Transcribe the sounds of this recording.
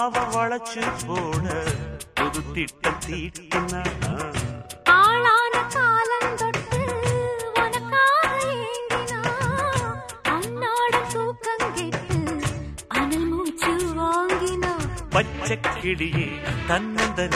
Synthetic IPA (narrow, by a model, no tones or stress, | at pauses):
ʋɐʋɐɭɐt͡ʃːɯpoːɽɐɔðɯt̪ːiʈːɐt̪iːt̪ːɪnɐ | aːɭaːnɐkaːlɐnd̪ɔʈːɯʋɔnɐkːaːɾɐjeːŋɡɪnaː | ɐnːaːɽɯt̪uːkːɐŋɡeʈːɯ | ɐðɐlmuːt͡ʃːɯʋaːŋɡɪnapɐt͡ʃːɐkːɪɭɪjet̪ɐnːɐnd̪ɐ